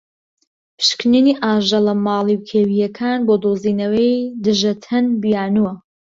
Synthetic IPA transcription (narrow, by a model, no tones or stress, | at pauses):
pʰɨ̥ʃkniniːʔaːʒɐlɐmɑːlˠiwkʰeːwijɐkʰaːnboːd̪oːziːnɐwejd̪ɨʒɐt̪ʰɐnbijaːnuwɐ